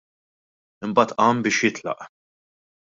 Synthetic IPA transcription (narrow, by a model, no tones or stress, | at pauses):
ɪmbɐːt̪ʔɐːmbɪːʃjɪt̪lɐ̰ʔ